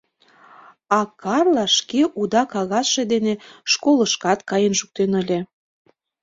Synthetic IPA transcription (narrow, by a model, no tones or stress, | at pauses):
ɑkɑrlɑʃkeʔud̪ɑkɑɣɑsʃed̪eneʃkolə̆ʃkɑt̪kɑjənʃuk̚t̪enə̆lʲĕ